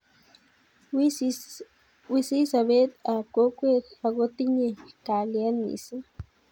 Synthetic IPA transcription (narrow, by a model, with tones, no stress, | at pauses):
wisi˦saβe˦t̪a˨ko˦kʷe˦t̪aɣot̪i˦ɲeka˨lja˦nḭ˨sa˦